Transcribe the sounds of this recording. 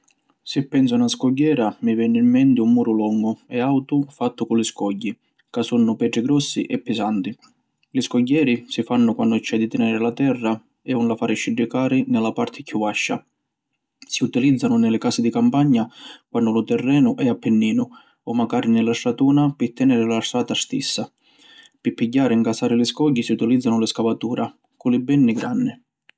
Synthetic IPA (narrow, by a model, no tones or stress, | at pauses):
sɪpːɛns̬ʊnaskɔɟːɛːɾamivɛːnːɪːmːɛnt̪ɪumːuːɾʊlɔŋɡʊɛawt̪ʊfat̪ːʊkʊlɪskɔɟːi | kasunːʊpɛːʈɾɪɡɾɔsːḭʔɛpːɪsant̪i | lɪskɔɟːɛːɾisifanːʊkwanːʊt͡ʃːɛd̪ːit̪ɛnɛːɾɪlat̪ɛrːa | ɛunlafaːɾɪʃiɖːikaːɾɪnɪlapaɾt̪ʰɪkʰːuvaʃːa̰ | siut̪ilid̪zːanʊnɪlɪkaːsɪd̪ikampaɲːakwanːʊlʊt̪ɛrːɛːnʊʔɛapːɪnːiːnʊ | ɔmːaɡaːɾɪnɪlasɾat̪uːnapɪt̪ːɛnɛːɾɪlast̪aːt̪ast̪isːa | pɪpːiɟːaːɾɪŋkasaːɾɪlɪskɔɟːisiut̪ilid̪zːanʊlɪskavat̪uːɾa | kʊlɪbɛnːiɡɾa̰nːɪ